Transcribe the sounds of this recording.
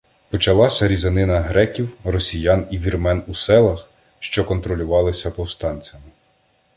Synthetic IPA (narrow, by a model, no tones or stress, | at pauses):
pɔt͡ʃɐlˠɑsʲɐɾʲizɐnɪnɐɦɾɛkʲiwrɔsʲijɑniʋʲirmɛnusɛlˠɐx | ʃt͡ʃɔkɔnt̪ɾɔlʲʊʋɑlˠɪsʲɐpɔwst̪ɑnʲt͡sʲɐmɪ